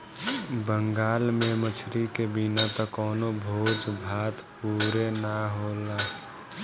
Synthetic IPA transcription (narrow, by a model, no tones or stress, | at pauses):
bəŋɡaːlmẽmət͡ʃʰɾikebinat̪ɔkɔːnobʱoːd͡ʒbʱaːt̪puːɾenaɦoːla